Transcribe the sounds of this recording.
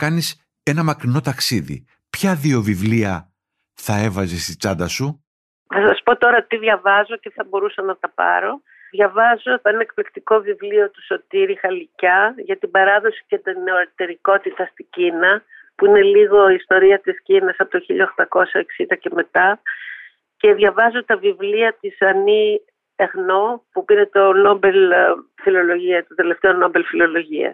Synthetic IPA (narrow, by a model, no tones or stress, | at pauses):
kɐnis | e̞nɐmɐkɾino̞t̪ɐksiðḭ | pçɐðio̞vivliɐ | θɐe̞vɐzest̪i̥t͡sɐnd̪ɐsu | θɐsɐspo̞t̪o̞ɾɐt̪iðʝɐvɐzo̞ceθɐbo̞ɾusɐnɐt̪ɐpɐ̰ɾo̞ | ðʝɐvɐzoθɐenɐek̚plikt̪iko̞vivlio̞t̪u̥so̞t̪iɾixɐlicɐʝɐt̪ibɐɾɐðo̞si̥cet̪ineoɾɾt̪e̞ɾiko̞t̪it̪ɐst̪iɟinɐ | puine̞liɣo̞iːst̪o̞ɾiɐt̪iscinɐsɐpo̞t̪oçiʎɐoxt̪ɐko̞sɐeksind̪ɐce̞me̞t̪ɐ | ce̞ðʝɐvɐzot̪ɐvivliɐt̪isɐni | eɣno̞pupiɾe̞t̪o̞no̞be̞lfilo̞lo̞ʝiɐt̪od̪e̞le̞ft̪e̞o̞no̞be̞lfilo̞lo̞ʝiɐ̰